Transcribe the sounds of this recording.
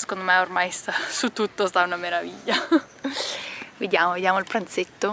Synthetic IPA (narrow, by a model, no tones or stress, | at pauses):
se̥kond̪omɛormajst̪asut̪ːut̪ːost̪aunameɾaviʎːa | ved̪jaːmoved̪jaːmoilpɾant̪set̪ːo